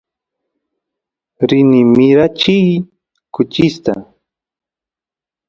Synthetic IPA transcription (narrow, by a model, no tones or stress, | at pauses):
ɾɪnɪmɪɾat͡ʃij | kʊt͡ʃɪst̪a